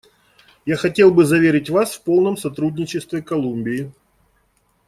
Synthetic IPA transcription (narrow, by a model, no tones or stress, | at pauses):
jaxɐtʲelˠbɨzɐvʲeɾʲɪtʲvasfpo̞lˠnəmsɐt̪ɾudʲnʲɪt͡ɕɪst̪vʲɪkɐlˠumʲbʲɪɪ